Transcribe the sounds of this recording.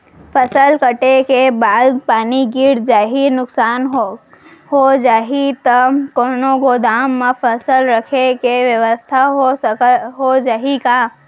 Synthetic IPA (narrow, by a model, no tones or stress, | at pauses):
pʰəsəlkəʈekebaːd̪paːniɡɪɾd͡ʒaːɦinʊksaːn | ɦod͡ʒaːɦit̪əkoːnõɡod̪aːmːẽpʰəsəlɾəkʰekeʋjəʋəst̪ʰaɦoɦod͡ʒaːɦika